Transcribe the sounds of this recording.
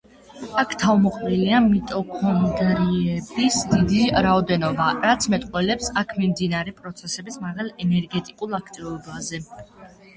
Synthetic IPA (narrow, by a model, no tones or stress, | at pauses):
akʰt̪ʰavmɔqʼɾiliamit̪ʼɔkʰɔnd̪ɾiɛbisd̪id̪iɾaɔd̪ɛnɔbaɾat̪sʰmɛt̪ʼqʼwɛlɛpsakʰmimd̪inaɾɛpʼɾɔt̪sʰɛsɛbismaʁalˠɛnɛɾɡɛt̪ʼikʼulˠakʰt̪ʼivɔbazɛ